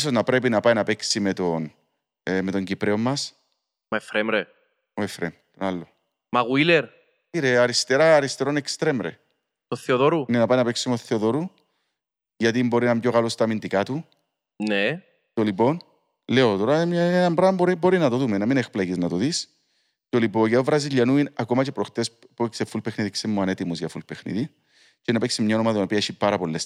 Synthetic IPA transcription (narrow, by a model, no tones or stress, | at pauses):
s̬oznɐpɾep̬inɐpajnɐpeksimet̪on | met̪o̞ɲɟipɾeomːɐs | mɐefɾemɾe | oefɾemt̪onalːo | mɐɣuileɾ | iɾeɐɾist̪eɾaːɾist̪eɾo̞nekst̪ɾemɾḛ | t̪oθːeoðoɾunenɐpajnɐpeksimoθːeoðo̞ɾu | ʝɐt̪̬imbo̞ɾinɐmbɟoɣɐlost̪ɐmind̪ikat̪u | ne | t̪olipo̞n | leot̪o̞ɾɐmɲaenɐmbɾamboɾibo̞ɾinɐt̪oðumenɐminexplɐjiznɐt̪oðis | t̪olipoʝɐovɾɐziʎːɐnuinɐko̞mɐt͡ʃe̞pɾo̞xt̪es | puksefulpexniðiksemːoɐnet̪imuzʝɐfulpexnḭði | cenɐpeksimɲaonomɐt̪inopiɐeʃipaɾɐpo̞lːes